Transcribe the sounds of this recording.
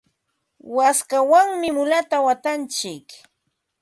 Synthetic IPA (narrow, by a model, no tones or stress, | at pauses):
waskawaŋmɪmʊlat̪awat̪ant͡ʃɪk